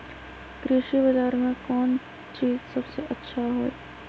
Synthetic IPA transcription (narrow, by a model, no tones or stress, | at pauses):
kɾɪʃibɐzaːɾmẽkɔːn | t͡ʃiːzsɐbseʔɐtːʃʰaɦoːe